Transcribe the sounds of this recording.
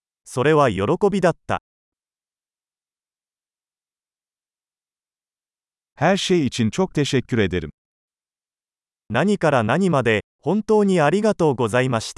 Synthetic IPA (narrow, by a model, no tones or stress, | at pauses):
so̞ɾe̞βajo̞ɾo̞ko̞bʲid̪at̪ːa̰ | haːɕeit͡ɕint͡ɕoːk̚t̪eɕekʲːuɾed̪eɾɯ̟̰ | naɲ̟ikaɾanaɲ̟imad̪e̞ | hõ̞nt̪o̞ːɲ̟iaɾʲiɡat̪o̞ːɡo̞zaimaɕi̥t̪